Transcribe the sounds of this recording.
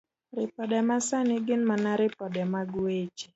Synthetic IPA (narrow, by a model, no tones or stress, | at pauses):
ɾɪpɔdɛmasanɪɡɪnmanaɾɪpɔdɛmaɡwet͡ʃi̥